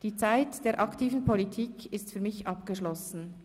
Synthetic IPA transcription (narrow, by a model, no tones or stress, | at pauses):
d̥iːt͡saɪtd̥eːɐʔɑktʰiːvn̩pʰolitʰiːkʰɪstfyːɐmɪçʔɑpɡ̥əʃlɔsn̩